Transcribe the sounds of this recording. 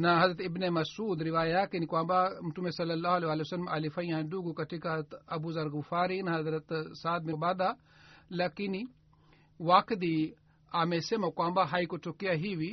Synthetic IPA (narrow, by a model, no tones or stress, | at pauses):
nɐɦɐzɾɐt̪ibnemɐsuːd̪ɾiʋaːjaːkinikwãːmbamuʈumesɐlːɐlːaːɦɐleʋaːlesɐlːɐmɐlifɐjãːnɖuɡukɐʈʰikɦɐɾɐt̪ɐbuzɐɾɡufaːɾinɐɦɐzɾɐt̪saːd̪̚mɐbaːd̪a | lɐkini | waːkd̪i | aːmesemɐkwaːmbaɦaːikotʰukijaɦiʋi